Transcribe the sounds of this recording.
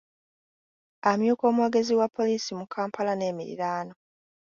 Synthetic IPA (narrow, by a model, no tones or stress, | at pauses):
amjuːko̞ːmweːɡe̞ziwapʰːo̞liːsimukʰaːmpalane̞ːmiɾḭɾaːno̞